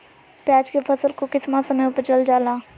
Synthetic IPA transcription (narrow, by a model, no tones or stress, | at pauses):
paːd͡ʒkefʰɐsəlkokɪsmasɐməjʊpət͡ʃəld͡ʒaːlaː